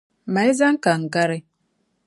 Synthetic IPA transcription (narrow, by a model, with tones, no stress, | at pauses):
ma˨jza˦ŋ˦ka˨ŋ˨ɡa˦ɾi˦